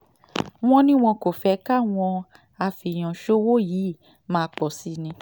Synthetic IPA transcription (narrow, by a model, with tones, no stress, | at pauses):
w̃ɔ̃˧nĩ˦w̃ɔ̃˧ko˨fɛ˧ka˦˨w̃ɔ̃˧ | a˧fi˨j̃ɔ̃˨ʃo˦wo˦jiː˨˦˨ | mãː˦˧k͡pɔ˨si˦˨nĩ˧